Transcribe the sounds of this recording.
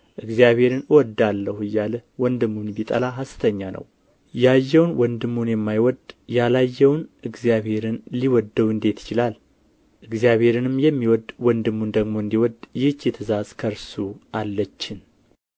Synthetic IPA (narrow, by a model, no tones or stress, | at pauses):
ʔɨɡzijaβhe̞ɾɨnɨwɔd̪alːəhɨjːaləwɔnd̪ɨmːunbit̪ʼə̰laɦast̪ʰəɲːanʔə̰w | jajːɛwnwɔnd̪ɨmːunjɛmːajwɔd̪jalajːɛwnʔɨɡzijaβhe̞ɾɨnliwɔd̪ːəwɨnd̪e̞t̪jɪ̥t͡ʃɪlal | ʔɨɡzijaβhe̞ɾɨnɨmjɛmːiwɔd̪wɔnd̪ɨmːund̪əɡmo̞ɨnd̪iwɔd̪jɪht͡ʃjɛt̪ʰəzazkʰəɾsuʔalːət͡ʃːɪn